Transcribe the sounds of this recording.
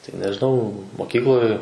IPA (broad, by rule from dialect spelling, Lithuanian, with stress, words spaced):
tɐɪ nʲɛʒʲɪˈnɐʊ moːˈkʲiːklˠoːj